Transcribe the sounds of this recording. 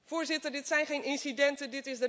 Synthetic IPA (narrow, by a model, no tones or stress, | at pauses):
vʊːɹzɪtəɹdɪtsɛjnχejnɪnsidɛntədɪtɪzdə